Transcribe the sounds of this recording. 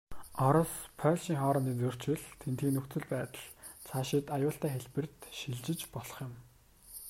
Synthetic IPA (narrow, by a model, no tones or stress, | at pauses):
ɔɾɞ̆spʰœːɮʃiːŋχɔːɾɞ̆niːnt͡sɵr̥t͡ɕɘ̆ɮt̪ʰent̪iːnɵk̪t͡sɵ̆ɮpæːt̪ə̆ɮt͡sʰaːʃɪt̪ajʊːɬt̪æːxeɮpɘ̆r̥t̪ʃiɮt͡ɕɪ̆t͡ɕpɔɮɞ̥̆χjɪ̆m